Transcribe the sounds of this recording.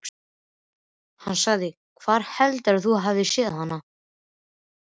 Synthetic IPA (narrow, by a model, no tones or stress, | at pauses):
hanːsaɣðɪ | kʰvaɾ̥hɛlt̪aɾ̥θuɦavðɪsɪðaanːa